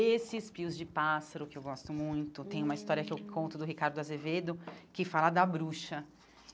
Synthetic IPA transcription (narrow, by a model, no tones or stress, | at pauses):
esɪspiʊzd͡ʒɪpasɐɾʊkɪewɡɔst̪ʊmũj̃t̪ʊt̪ẽj̃ũmɐist̪ɔɾiɐkɪewkʰõnt̪ʊd̪ʊɦikaɾd̪ʊazeved̪ʊkɪfalɐd̪ɐbɾuʃɐ